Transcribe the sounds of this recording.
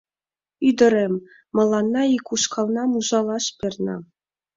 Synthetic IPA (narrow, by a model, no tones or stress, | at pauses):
yd̪ɘ̆ɾʲemː | ɤ̆lˠːɑnːɑikuʃkɑlˠnɑmuʒɑlˠɑʃpʲernɑ̰